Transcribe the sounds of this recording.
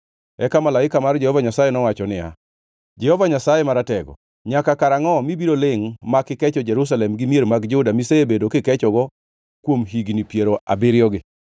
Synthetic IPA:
ɛkamalaɪkamard͡ʒɛhɔvaɲasajɛnɔwat͡ʃɔnɪja̰ | d͡ʒɛhɔvaɲasajɛmaɾatɛɡɔ̰ | ɲakakaɾaŋɔmibiɾolɪŋmakːɪkɛt͡ʃɔd͡ʒɛɾus̬alɛmɡɪmieɾmaɡd͡ʒʊdamiseebedokɪkɛt͡ʃɔɡɔ | kwomɦiɡnipjeɾoa̰bɪɾjɔɡɪ

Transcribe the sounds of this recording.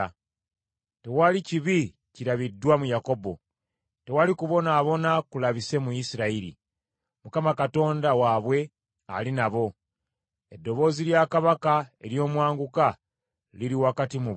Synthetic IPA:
te̞waliciβi | ciɾaβidːwamujako̞bo̞ | te̞walikuβo̞naːβo̞nakulaβise̞muisiɾaiɾḭ | mukamakato̞ːndawaβwe̞ | a̰linaβo̞ | e̞dːo̞βo̞ːziljaːkaβakae̞̰ɾjo̞ːmwaːŋɡuka | liɾiwakatimuβ

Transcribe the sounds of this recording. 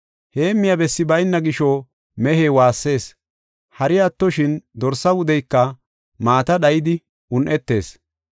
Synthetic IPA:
he̞ːmːɪjɐbɛsːɪbɐjnːɐɡɪʃɔ | mɛheːwaːsːe̞ːs | hɐɾɪjɐt̪ːɔʃɪnd̪ɔɾsɐwʊd̪ɛjkːɐ | maːt̪ɐɗɐjɪd̪ɪ | ʊnʔɛt̪ːe̞̰ːs

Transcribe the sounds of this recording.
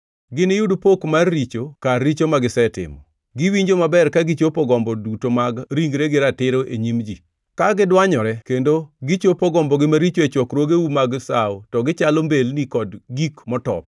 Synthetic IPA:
ɡɪnejudupokmarːit͡ʃokarːit͡ʃomaɡɪsɛtɪ̰mɔ | ɡɪwiɲd͡ʒomabɛrkaɡit͡ʃopɔɡɔmbɔdutomaɡɾiŋɡɾeɡɪɾatɪɾoʔeɲimd͡ʒi | kaɡɪdwaɲɔɾɛkendoɡɪt͡ʃopɔɡɔmbɔɡɪmaɾit͡ʃoet͡ʃwɔkɾwoɡeumaɡsa̰ɔtɔɡɪt͡ʃalombelnikɔdɡikmɔtɔ̰p̚

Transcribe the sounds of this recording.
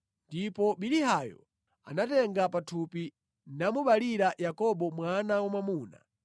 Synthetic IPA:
ndipɔɓiliɦajɔ̰ | a̰natɛŋɡapatʰupi | namuɓaliɾajakɔɓɔmwanawamamuːna̰

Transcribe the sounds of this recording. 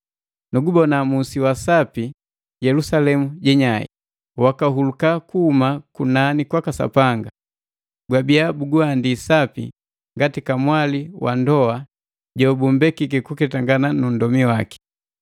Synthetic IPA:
nuɡubɔnamusiwasapi | ɟɛlusalɛmuɟɛɲaḭ | wakaɦulukakuhumakunanikwakasa̰paŋɡa | ɡwabiabuɡuandisapḭ | ŋɡatikamwaliwa̰ndɔa | ɟɔbumbɛkikɛkukɛtaŋɡananun̩dɔmiwaki̥

